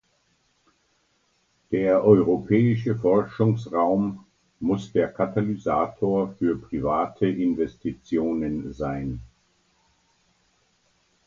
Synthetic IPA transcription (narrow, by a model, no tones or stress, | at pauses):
d̥eːɐʔɔʏʁopʰɛːɪʃ̬əfɔɐʃʊŋsʁaʊmː | ʊsd̥eːɐkʰatalizaːtʰoːɐfyːɐpʁ̥ivaːtʰəʔɪnvɛstʰit͡sjoːnənzaɪn